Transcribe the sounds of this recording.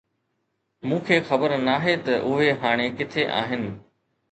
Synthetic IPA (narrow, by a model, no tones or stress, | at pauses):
mũːkʰeːxɐbəɾnaːɦet̪ɐʔʊɦeɦaːɽ̃ekɪt̪ʰeʔa̰ːɦɪnɪ̆